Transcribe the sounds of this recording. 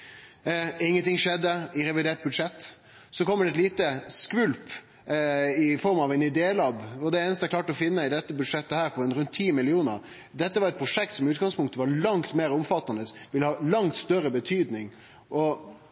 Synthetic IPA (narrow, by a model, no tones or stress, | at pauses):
ɪŋːənt̪ʰɪŋʂɛd̪ːəɪɾɛʋɪd̪eːʈ̚bʉd̪ʂɛt̪ː | sɔkʰɔmːəɖɛt̪liːt̪əskʋʉlp | ɪfɔɾmɑʋɛnɪd̪eːlɑbɔd̪ɛeːnəst̪əɛklɑːʈɔfɪnːəɪd̪ɛt̪ːəbʉd̪ʂɛt̪ːəhæːɾpʰɔɛnɾʉnt̪ʰiːmɪlɪuːnə̰ɾ | d̪ɛt̪ːəʋɑɾɛt̪pɾʊʂɛk̚t̪sɔmʉːt̪ɡɑŋspʰʊŋk̚t̪əʋɑɾlɑŋt̪meːɾʊmfɑt̪ːɑnd̪əsʋɪləhɑːlɑŋt̪st̪œɾəbət̪ʰyːd̪nɪŋ | ʔɔ